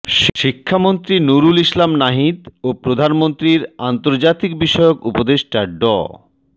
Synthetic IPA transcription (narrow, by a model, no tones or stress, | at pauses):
ʃʃikʰːamont̪ɾinuɾuliʃlamnaɦid̪opɾod̪ʱanmont̪ɾiɾant̪oɾd͡ʑat̪ik̚biʃɔeokupod̪eʃʈaɖɔ̰